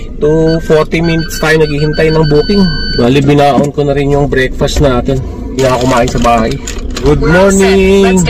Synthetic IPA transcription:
t̪ufoɾt̪ɪminɪt̪̚st̪aːjonɐɡiːhɪnt̪ajnɐŋbuːp̪ɪŋbaːlibɪnaːʔɐʔonkonɐɾɪnjʊŋbɾɛk̚fɐst̪naːt̪ɛn | ɪŋakʊmaːʔɪnsɐbaːhɐj | ɡud̪̚moɹnɪŋŋ

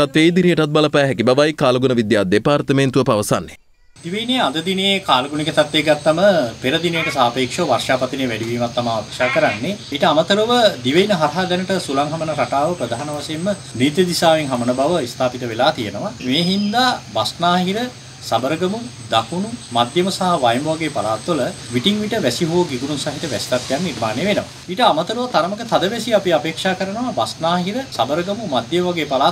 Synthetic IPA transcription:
t̪at̪ʋejd̪inəjəʈat̪̚baləpɛːɦɛkibaʋajkaːlɐɡunəʋid̪jaːd̪epaːɾt̪əment̪uʋəpaʋɐsanːe | d̪iʋəinejad̪əd̪inejekaːlɐɡunikət̪at̪ʋeɡat̪ːaməpeɾəd̪inejəʈəsaːpeːkʂoʋarʂaːpat̪ineʋɛɖiʋiːmat̪ːamaːakʂaːkəɾanːeːʈəamət̪əɾuʋəd̪iʋəinəɦaɾɦad̪ɛnəʈəsulaŋɦamənəɾaʈaːʋəpɾəd̪aɦanɐʋaseemːə | niːt̪jed̪isaːʋeŋɦamənəbaʋəist̪ʰaːpit̪əʋelaːt̪ijənəʋameːɦind̪aːbasnaːɦiɾə | sabəɾəɡəmu | d̪akʰunumad̪jəməsaɦaʋajmboʋaɡeːpalaːt̪ːoləʋiʈiŋʋiʈəʋæsiɦoːɡiɡuɾunsaɦiʈəʋɛ̰st̪at̪̚ɡejanːnirmaːnejʋenəʋa̰ | iːʈəamət̪əɾuʋət̪aɾəməkət̪ad̪əʋɛsiapiapeːkʂaːkəɾənəʋabasnaːɦiɾəsabəɾəɡəmumad̪jəməʋaɡeːpalaː

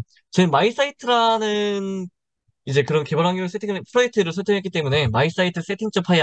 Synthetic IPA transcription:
t͡ɕʌɯmːais͈aitʰɯɾanɯn | id͡ʑe̞kɯɾʌnke̞bʌɾɦaŋuɯɭs͈ʰetʰiŋpʰɯɾʌek̚tʰɯɾɯɭsʰʌɭtʰɯŋɦek͈it͈e̞mune̞mais͈aitʰɯs͈e̞tʰiŋt͡ɕ͈ʰʌpʰaja

